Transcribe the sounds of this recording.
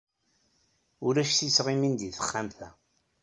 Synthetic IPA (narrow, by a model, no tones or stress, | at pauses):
ʊɾæʃθisʁimind̪iθə̥χːamθæ